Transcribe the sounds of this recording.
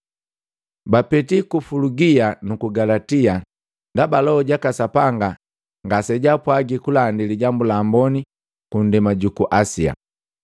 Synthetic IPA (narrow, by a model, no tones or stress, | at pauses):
bapɛtikufuluɡianukuɡalatia | ndabalɔɔɟakasapaŋɡa | ŋɡasɛɟapwaɡikulaːndiliɟambulaːmbɔni | kundɛmaɟukuʔasia̰